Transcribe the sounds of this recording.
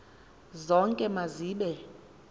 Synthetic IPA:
zɔŋkʼɛmaziːɓɛ

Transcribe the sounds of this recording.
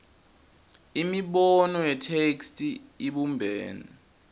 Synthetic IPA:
imiɓɔnɔjɛtʰekstʼiiɓumbʱɛːni

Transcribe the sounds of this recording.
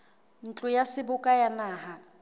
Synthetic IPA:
n̩t͡ɬʼʊjasɪbʊkʼajanaːha

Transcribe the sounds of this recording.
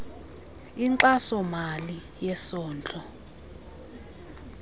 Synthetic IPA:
iǀasɔmali | jɛsɔːnd͡ɮʱʼɔ

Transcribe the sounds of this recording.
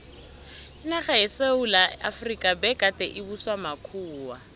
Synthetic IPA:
ɪnaχaɪseulaa̰frikʼabɛkʼatʼɛʔɪbuswamakʰuːwa

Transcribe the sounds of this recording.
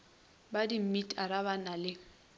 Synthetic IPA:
badim̩mitʼaɾaβanalɪ

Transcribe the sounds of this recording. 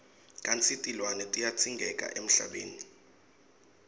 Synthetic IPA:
kʼant͡sʰʼitʼilwanɛtʼijat͡sʰiŋɡʱɛkʼa̰ʔem̩ɬa̰ɓeːni

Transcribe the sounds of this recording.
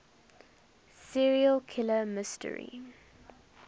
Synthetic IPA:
siɹiəlkʰɪləmɪstə̰ɹḭ

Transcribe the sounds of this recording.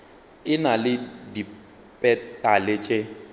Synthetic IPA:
ɪnalɪdi | pʼɛtʼalɪt͡ʃʼe

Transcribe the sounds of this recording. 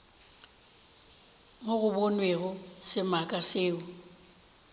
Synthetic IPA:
moɣʊbonweɣʊsɪmakʼasɪːʊ

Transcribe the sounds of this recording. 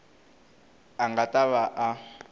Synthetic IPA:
aŋɡatʼaβaʔa

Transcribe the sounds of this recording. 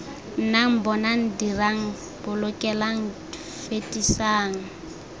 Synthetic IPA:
n̩naŋ̩bɔnaŋ̩diraŋ̩ | bʊlʊkʼɛlaŋ̩di | fetʼisaːŋ̩

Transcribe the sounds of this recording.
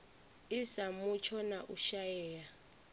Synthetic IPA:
isamut͡ʃʰɔnaʔuʃajɛːja

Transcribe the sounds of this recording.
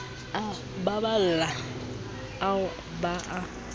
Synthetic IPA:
a | babal̩la | aʊ | baʔa

